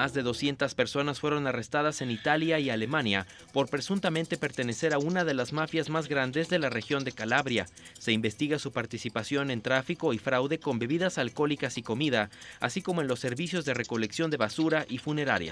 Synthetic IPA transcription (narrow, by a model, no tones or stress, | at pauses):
mazðe̞ðo̞sje̞nt̪aspe̞ɾso̞nasfwe̞ɾo̞nare̞st̪aðase̞nit̪aljaialemãnja | po̞ɾpɾe̞sunt̪ament̪e̞pe̞ɾt̪e̞ne̞se̞ɾaunaðe̞lazmafjazmazɣɾand̪e̞zðe̞lare̞xjo̞nd̪e̞kalaβɾja | se̞imbe̞st̪iɣasupaɾt̪isipasjo̞ne̞nt̪ɾafiko̞ifɾawðe̞ko̞mbe̞βiðasalko̞likasiko̞miðaa̰sikomoe̞nlo̞sːe̞ɾβisjo̞zðe̞re̞ko̞le̞ksjo̞nd̪e̞βasuɾaʔifune̞ɾaɾja̰